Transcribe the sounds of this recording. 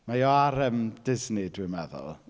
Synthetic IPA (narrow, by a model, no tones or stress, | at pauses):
majɔaɾəmd̥ɪznɪdwɪmɛðʊ̰lˠ